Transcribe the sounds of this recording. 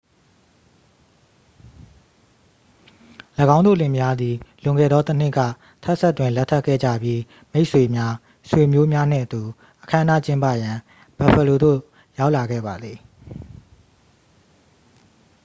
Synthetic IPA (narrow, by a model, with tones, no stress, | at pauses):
lə˨ɡã˦ʊ̃nd̪o̰˦˨lɪ̃˨mja˦d̪ði˨lʊ̃˨ŋɡɛ̰˦˨d̪ɔ˦t̪ən̥ɪ˦ʔka̰˦˨ | tʰɛ˦ʔsɛ˦˨twɪ̃˨nlɛ˦tʰːɛ˦ʔkʰːɛ̰˦˨d͡ʑä̰˦˨bji˦ | me˦ɪʔswe˨mja˦ | swe˨mjo˦mja˦n̥ɪ̰̃˦˨ət̪u˨ | ʔəkʰã˦əndä̰˦˨t͡ɕɪ̃˦mpä̰˦˨jã˨ | b̥a˨pʰə˨lo˨d̪o̰˦˨ | ja˦ʊʔla˨ɡɛ̰˦˨ba˨d̪ði˨